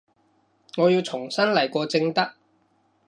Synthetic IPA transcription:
ŋɔː˨˧ji˧wt͡sʰʊ˨˩ŋsɐ˥nlɐ˨˩jkɔː˧t͡sɪ˧ŋt̪ɐ˥k̚

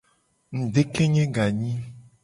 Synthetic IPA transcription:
ŋ̩˨ɖe˦ke˦ɲɛ̃˦ɡa˨ɲĩ˦

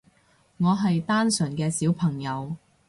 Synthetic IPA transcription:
ŋɔː˨˧ɦɐ˨jt̪aː˥nsɵ˨˩nkɛː˧siː˨˥wpʰɐ˨˩ŋjɐ˨˧w

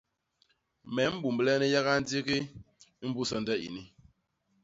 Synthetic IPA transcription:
mɛ˨˦m̩˦bu˨mblɛ˦ni˦ja˦ɣa˦n̩˦d͡zi˦ɣi˦ | m̩˦bu˦sɔ˦n̩˦də˦ʔḭ˨ni˦

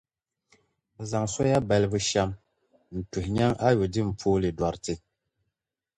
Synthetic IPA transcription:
za˨ŋsɔ˦ja˦bɛ˨lbu˦ʃa˦m | n̩˨tu˨hɲa˦ŋa˦jo˨dɪ˦m̩˨pʰoː˦li˨dwa˨ɾtɪ˦

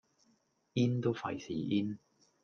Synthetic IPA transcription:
iː˥nt̪o˥wfɐ˨jsḭː˨˩ʔiː˥n

